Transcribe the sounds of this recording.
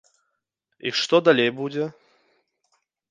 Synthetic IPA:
ḭʂt̪ɔd̪alʲejbud͡zʲɛ

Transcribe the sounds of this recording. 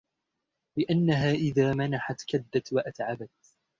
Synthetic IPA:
lɪʔanːaɦaːʔɪðaːmanaħat̪kad̪ːat̪waʔat̪ʕabat̪̚

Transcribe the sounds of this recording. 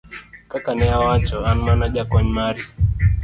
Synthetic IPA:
kakanɛawat͡ʃɔanmanaʄakɔɲmaɾi

